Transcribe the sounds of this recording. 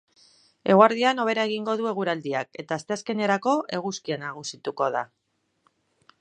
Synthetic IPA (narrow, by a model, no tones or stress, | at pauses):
e̞ɣwaɾðiano̞β̞e̞ɾae̞ɣ̞iŋɡo̞ðue̞ɣ̞uɾald̪iake̞t̪aːst̪e̞aske̞ne̞ɾako̞ʔe̞ɣ̞uskianaɣ̞usit̪uko̞ð̞a